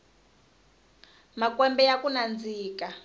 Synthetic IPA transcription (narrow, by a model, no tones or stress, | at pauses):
makwɛmbɛjakunand͡ziːka